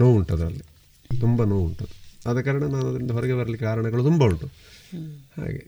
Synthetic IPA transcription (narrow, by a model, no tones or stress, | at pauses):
noːuɳʈːɐðɾɐ̰lːi | t̪umbɐnoːuɳʈːɐðuɐðekːaːɾɐɳɐmnaːnɐðiɾiunɖɦoɾɐɡeʋɐɾɐlːikaːɾɐɳɐɣɐɭut̪umbɐuɳʈːu | ha̰ːɡḛ